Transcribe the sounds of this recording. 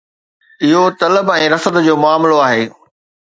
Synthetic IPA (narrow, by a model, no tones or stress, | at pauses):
ɪɦot̪ɐləbɛ̃ːɾɐsəd̪d͡ʑoːmʊaːmloaːɦeː